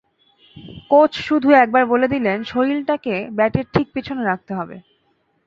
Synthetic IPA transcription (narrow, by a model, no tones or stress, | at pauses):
kot͡ɕʰʃud̪ʱuɛk̚baɾboled̪ilenʃoilʈakebɛʈeɾʈʰik̚pit͡ɕʰoneɾak̚t̪eɦɔbḛ